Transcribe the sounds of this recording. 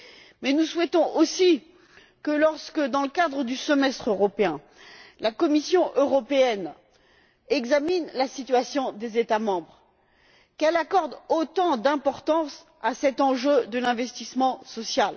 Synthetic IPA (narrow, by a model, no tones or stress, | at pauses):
mɛnuswɛt̪ɔ̃ʔosi | kəlɔʁskəd̪ɑ̃ləkad̪ʁəd̪ysəmɛst̪χøʁɔpeɛ̃ | lakɔmisjɔ̃ʔøʁɔpeɛn | ɛɡzaminlasit̪ɥasjɔ̃d̪ezet̪amɑ̃bʁ | kɛlakɔʁd̪ot̪ɑ̃d̪ɛ̃pɔʁt̪ɑ̃s | asɛt̪ɑ̃ʒød̪əlɛ̃vɛst̪ismɑ̃sɔsjal